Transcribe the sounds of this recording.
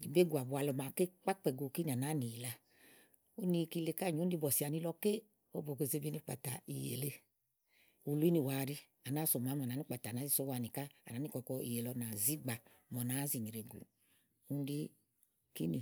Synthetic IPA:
i˨be˦ɡu˨a˨bu˨˧a˧lɔ˧ma˨ke˦k͡pa˦k͡pɛ˨ɡo˨˧˨ki˦ni˨a˨na˨˦ni˨la˧ | o˦ni˧ki˧le˧ka˦˨ɲo˨˦n˦di˧˦bɔ˨si˨a˨ni˧lɔ˧ke˦ | o˦bo˨ke˧˨ze˧bi˧˦ni˧˦k͡pa̰˨ta̰˨i˨jḛ˨le˧ | u˧˨lu˦i˦ni˧waː˨ɾi˧ | a˨na˨˦so˨ma˨˦mɔ˨na˨˦ni˦k͡pa˨ta˨na˨˦i˦so˦wa˨˧˨ni˨ka˦a̰˨na˨˦ni˦kɔ˨˧kɔ˧i˨je˨lɔ˧na˨zi˦ɡ͡ba˧ | mɔ˨na˨˦zi˨ni˨ɾe˨ɡo̰˨ | u˦n˦di˦ | ki˦ni˨

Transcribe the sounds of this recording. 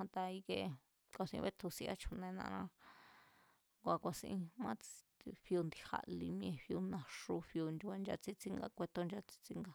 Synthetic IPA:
ã˧t̪a˧i˧ke˧ | kʷa˧sḭ̃˧βe˦t̪ʰu˧si˧ʔa̰˦˧t͡ʃʰu˧nẽ˧nã̰˧ɾã˧ | ŋɡʷa˧kʷa˧sĩ˧ĩ˧mã˦t͡sɸi˧u˧nd̪i˧ha̰˧ʔli˧m̃˧ẽ˧ɸju˧nã˨ʂu˧ɸju˧n˧a˧nd͡ʒa˧t͡si˦t͡si˦ŋɡa̰˧kʷe˧t̪o˧nd͡ʒa˧t͡si̥˧t͡si˦ŋɡa˧

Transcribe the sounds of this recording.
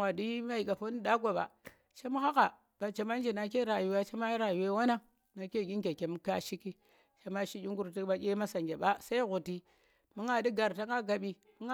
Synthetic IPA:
a˨di˦ma˦i˨ka˨fo˦ni˦da˦ɡʷa˨ba̰˨ | t͡ʃe˦m˦ha˦ka˨ | b̥a˨t͡ʃe˨ma˦n˦d͡ʒe˨na˨k̬e˦ɾa˨ju˨wa˦t͡ʃe˦ma˦i˦ɾa˨ju˨we˦wa˦na˦ | na˨ke˦˨ɡi˦ŋɡe˨ke˨m˦ka˦ʃi˦ki˦ | t͡ʃe˦ma˦ʃi˦ɡʲi˦ŋɡu˦ɾti˦ɓa˦kʲe˦ma˦sa˨ŋɡʲe˨ɓa˦sa˦i˦ɣu˨ti˦ | mu˦ŋa˨di˦ɡa˨ɾta˦ŋa˦ɡa˨ɓi˦ | mu˦ŋ˦

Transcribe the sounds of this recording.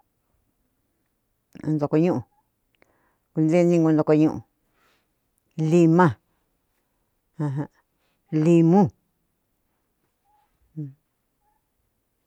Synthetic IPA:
nd̪o˨˧ko˧ɲũ˦ʔũ˨ | ku˧nd̪e˦˧nĩ˦ŋɡo˧nd̪o˧ko˧ɲũ˦˧ʔṵ̃˨ | li˧mã˦ | ã˧ɦã˧ | li˧mũ˦˧˨

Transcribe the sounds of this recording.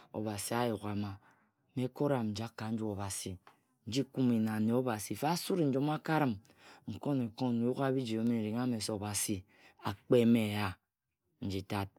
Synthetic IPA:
o̰˨βa˨si˨a˦ju˨ɣa˨ma˨ | me˦ko˦ɾa˨mn̩˨d͡ʒa˦kːa˨n̩˦d͡ʒu˦o˨ba˨si˨ | n̩˦d͡ʒi˦ku˦mi˨na˨ne˨o˦ba˨si˨fe˦a˦su˦ɾn̩˦d͡ʒo˦m˦a˦ka˦ɾɨ˨m | ŋ̩˨ko˦ne˨ko˦n˨ju˦ka˦bi˦d͡ʒi˨o˦me˦˨ɾi˨ŋ˦a˦me˨so˨ba˨si˨ | a˨k͡pe˦me˨ja˦ | n̩˨˦d͡ʒi˨ta˦t̚

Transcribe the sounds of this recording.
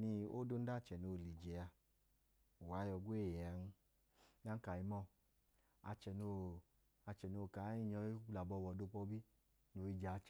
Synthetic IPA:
ni˧o˦do˦n̩˦da˦˨t͡ʃɛ˨no˧˨li˨d͡ʒɛ˨a˧˨ | wa˨˦jɔ˧ɡʷe˦˨jɛ˨a˨˧˦nu˧˦ | na˨˦ka˨i˧˦mɔ˦˧˨ | a̰˧t͡ʃɛ˨no˧˨ | a˧t͡ʃɛ˨no˧˨ka˨˦i˦˨ɲɔ˧i˦la˨bɔ˧wɔ˨do˧k͡pɔ˧˦bi˦ | no˧i˦d͡ʒa˨˧˨t͡ʃ

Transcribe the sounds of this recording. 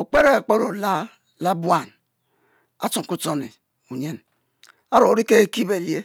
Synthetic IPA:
o˨k͡pe˦ɾe˦˨k͡pe˦ɾo˨la˦ | la˦bwa˨n | a˦t͡ʃo˨ŋ˨ku˦to˦ni˨ | u˨ɲe˦n | a˦ɾo˨ɾi˦ke˦e˦ki˦be˨lje˦

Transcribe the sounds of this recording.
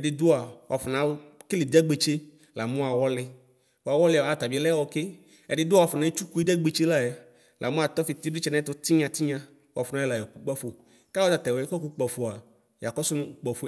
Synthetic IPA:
ɛ˨ɖɪ˨d̪ʊ˦a˨wa˨fʊ˨nã˨˦kɪ˦lɪ˨d̪ɛ˦ɡ͡be˨t͡ʃe˦ | la˨mũ˦a˨wɔ˦lɪ˨ | wo˨a˨wɔ˦lɪ˨a˨˦˨t̪a˨bi˨˦lɛ˦wɔ˧kɪ˦ | ɛ̰˨ɖɪ˨d̪ʊ˦wa˨fʊ˨nã˨˦e˦t͡ʃu˦ku˦i˦d̪ɛ˦ɡ͡be˨t͡ʃe˦la˦ja˨ | lʔa̰˨mʊ̃˦a˨t̪ɔ˦fi˨t̪i˦di˦t͡ʃɛ˦nã˦t̪ʊ˦t̪i˦ɲã˨t̪i˦ɲã˦ | wa˨fʊ˨nã˨˦ɛ˦la˨jɔ˨ku˦k͡pa˦fo˨ | ka˦wɔ˦t̪a˨t̪ɛ˨wɔ˨ɛ˦kɔ˦ku˦k͡pɔ˨fo˨a˨ | ja˨kɔ˦sʊ˦nʊ̃˦u˦k͡pɔ˨fo˨˦

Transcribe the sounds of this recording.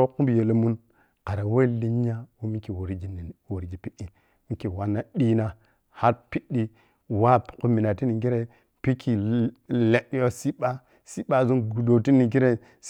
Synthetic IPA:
ku˦bje˨lə˨mu˦n | ka˨ɾa˨we˦li˦ɲ˦a˦wu˦mi˦ki˨wo˨ɾi˦ɡi˨n˨wo˨ɾi˦ɡi˨pi˦ʔi˦ | mi˦ki˨wa˦nːa˦ɗi˦na˦ | ha˦ɾpi˦ɗi˦ | wa˦pku˦mi˨na˨ti˦ni˨ɡi˦ɾe˦ | pi˦kʰi˨le˦ɗjo˦si˦ɓa˦ | si˦ɓa˦˨zu˦nɡu˨do˨ti˦ni˨ɡi˦ɾe˦ | s

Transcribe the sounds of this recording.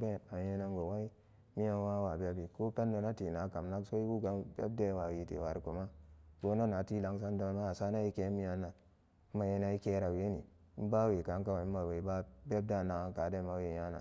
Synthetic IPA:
be˦˨ta˨˦e˦na˦ŋɡo˨wa˦i˦ | mi˦ja˦n˦wa˦wa˨be˦bi˨ko˦pe˦ndo˨na˦ti˨na˨˦ka˨mna˦kso˦i˦wu˦ɡa˦mbḛ˦b̚de˦wa˨wi˨tḛ˨wa˨ɾku˨ma˦ɡo˦no˦na˨ti˦la˨ŋs̬a˦ndo˨˦ma˦a˨sa˦na˦i˦ke˨˦mi˦ja˨nːa˨˦ | ma˨je˦na˨i˦ke˦ɾa˨we˦ni˨˦ | ba˦we˨ka˨˦ka˦wa˨i˦a˨we˨˦ba˦be˦b̚da˦na˨ka˨de˦ma˦we˨ja˦na̰˨

